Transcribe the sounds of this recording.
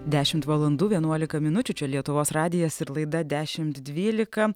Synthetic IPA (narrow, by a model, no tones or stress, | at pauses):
d̪ʲæːʃʲɪmt̪ʋɐlˠɐnd̪uːʋʲiɛnuɔlʲɪkɐmʲɪnʊt͡ʃʲʊt͡ʃʲɛlʲiɛt̪ʊʋoːsɾɑːd̪ʲɪjɛsɪɾlˠɐɪd̪ɐd̪ʲæːʃʲɪmt̪d̪ʲʋʲiːlʲɪkɐ